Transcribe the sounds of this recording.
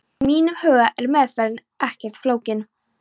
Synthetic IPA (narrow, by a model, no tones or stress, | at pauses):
miːnavhœːaʔɛɾmɛðfɛɾɪn | ɛhcɛr̥t̪floːwcɪn